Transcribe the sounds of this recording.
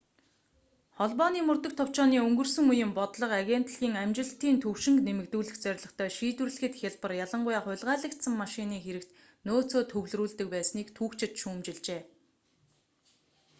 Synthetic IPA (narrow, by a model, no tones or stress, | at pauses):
χɔɮpɔniːmɵrt̪ɵ̆k̚t̪ʰɔw̥t͡ɕɔːniːɵŋɡɵ̆rsɵ̆ŋujɘ̆mpɔt̪ɮɞ̆qaɣʲen̥t̪ɮɣiːŋæmt͡ɕɪ̆ɬt̪iːnt̪ʰɵwʃɪ̆ŋknemɘ̆kt̪uːɮɘ̆xt͡sœɾ̆ʲɮɞ̆χt̪ʰœːʃiːt̪wɘ̆rɮɘ̆xɘ̆t̪xʲaɮpə̆rjaɮə̆ɴɢʊjaːχʊ̟ɮʁaːɮə̆kt̪sə̆mːaʃɪniːxeɾɘ̆kt̪ | noːt͡soːt̪ʰɵwɮruːɮt̪ɘ̆k̚pæːsniːkt̪ʰuːkt͡ɕɪ̆t̪ʃuːmt͡ɕɪ̆ɮt͡ɕeː